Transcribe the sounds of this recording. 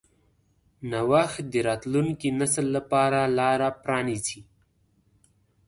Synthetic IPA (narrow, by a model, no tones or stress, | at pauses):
nawaxt̪̚d̪əɾɑt̪luŋkinasəlːapɑɾalɑɾapɾɑnisi